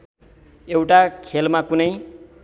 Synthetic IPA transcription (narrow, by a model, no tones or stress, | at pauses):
ewʈakʰelmakunʌj